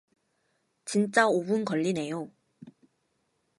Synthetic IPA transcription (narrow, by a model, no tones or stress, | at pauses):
t͡ɕint͡ɕ͈aobunkʌʎːine̞jo